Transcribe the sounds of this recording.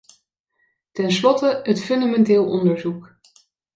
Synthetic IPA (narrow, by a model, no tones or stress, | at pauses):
tɛnslɔtəɦətfɵndamɛntɪːlˠɔ̰ndəɹzuk